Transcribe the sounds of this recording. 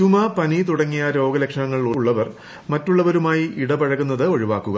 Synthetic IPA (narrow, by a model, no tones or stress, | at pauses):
tumɐpɐnit̪uɽɐŋːijɐɾo̞ːɡɐlekʂɐɳɐŋːɐɭiɭuɭːɐʋɐr | mɐtːuɭːɐʋɐɾumaːjiʔiɽɐbɐɻɐɣunːɐðɨo̞ɻiʋaːkːuɣɐ